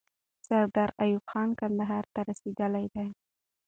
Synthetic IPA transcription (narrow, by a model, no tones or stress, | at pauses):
sawd̪aɾajʊbxɑnkand̪aɦɑɾt̪aɾased̪əlajd̪aj